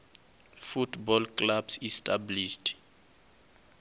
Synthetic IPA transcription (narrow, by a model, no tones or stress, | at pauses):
futbɔlkʼlabsistʰʼabliʃt